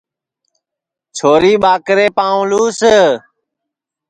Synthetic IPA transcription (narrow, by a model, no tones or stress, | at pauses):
t͡ʃʰoːɾiːɓaːkɾeːpãːũːluːsə